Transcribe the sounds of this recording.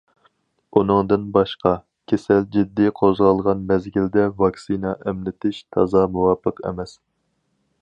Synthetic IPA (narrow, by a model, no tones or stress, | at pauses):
unɨŋd̪ɨnbɑʃqɑ | kʲʰesɛld͡ʒid̪ːiqʰozʁɑlˠʁɑnmɛzɡʲild̪ɛvɑksinɑʔɛmlɪt̪ʰɪʃt̪ʰɑ̰zɑmuwɑːpʰəqʰḛmɛs